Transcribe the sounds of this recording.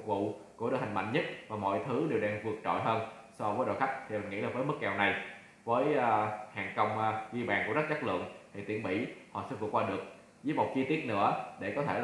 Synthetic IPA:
k̚vṵ˧˨ku˧˥ɗɨː˨˩hï˨˩ŋ̟ma̰˧˨jŋɲə˦˥t̚vaː˨˩mɔ̰˧˨jt̪ʰɨ˨˦ɗe˨˩wɗaː˧ŋvɨ˨˩ək̚t͡ɕɔ̰˧˨jɦəː˧n | sɔ˧vəː˨˦jɗo̰˨˩xa˦˥jk̟̚t̪ʰi˨˩mi˨˩nŋḭ˧˥laː˨˩vəː˨˦jmə˦˥k̚kːaː˨˩wna˨˩j | vəː˨˦jhaː˨˩ŋkə˧wŋ͡mːzi˧ɓaː˨˩ŋkəɗə˦˥t͡ɕa˦˥k̚lɨ̰˧˨əŋt̪ʰi˨˩t̪i˧˩ənɓḭ˧˩hɔ̰˧˨˩sɛ˧˥vɨ̰˧˨ək̚kwaː˧ɗɨ˨˩ək̚ | zɨː˦p̚mo˨˩t̚t͡ɕi˧t̪i˦˥ət̚nɨ̰˧˥əɗe˧˩kɔ˨˦t̪ʰe˧˩

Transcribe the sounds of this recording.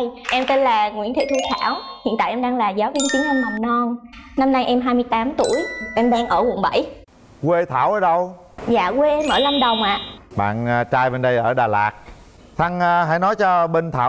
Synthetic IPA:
jʔɛ˧mt̪e˧nlaː˨˩ŋwi˧˥ənt̪ʰḭ˧˨t̪u˧t̪ʰaː˧˩˨whḭ˧˨nt̪a̰ː˧˨jʔɛ˧mɗaː˧ŋlaː˨˩zaː˨˦wvi˧˦ŋt͡ɕi˨˦ŋɛ˧mla˨˩wŋ͡mnɔ˧nna˧mna˧jʔɛ˧mɦaː˧jmɨ˧əjt̪aː˨˦mt̪u˧˩əjʔɛ˧mɓaː˧ŋʔəː˧˩wʊ˨˩ŋ͡mɓa˧˩j | kwe˧t̪ʰaː˧˩wʔəː˨˦ɗə˧w | za̰ː˧˨kwe˧ʔɛ˧mʔəː˧˩la˧mɗə˨˩wŋ͡mʔaː˧˨ɓa̰ː˧˨nt͡ɕaː˧jɓe˧nɗə˧jʔəː˧˩ɗaː˨˩laː˨˩t̚ | t̪ʰa˧ŋ˧ɦa̰ː˧˥jnɔ˨˦jt͡ɕɔ˧ɓe˧nt̪ʰaː˧˩

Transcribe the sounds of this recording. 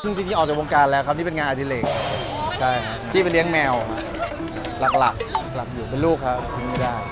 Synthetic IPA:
t͡ɕi˧ŋt͡ɕi˧ŋʔɔ˨˩k̚t͡ɕa˨˩wo˧ŋkaː˧nlɛː˦˥kʰa˧ni˥˩e˧ŋaː˧nʔa˧˩i˦˧leː˨˩k̚ | t͡ɕʰa˥˩jkʰa˦˥p̚t͡ɕiː˥˩pe˧li˦˥əŋmɛː˧wka̰˧˩ | la˨˩k̚la˨˩k̚kla˨˩p̚juː˨˩pe˧nluː˥˩kʰa˦˥p̚t̪ʰi˧nmi˥˩daː˥˩j

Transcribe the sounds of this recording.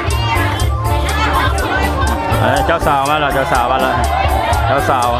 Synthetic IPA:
a˧˩t͡ɕaː˥˩wsaː˩˦wmaː˥˩la˧˩t͡ɕaː˥˩wsaː˩˦wa˧˩la˧˩t͡ɕaː˥˩wsaː˩˦w

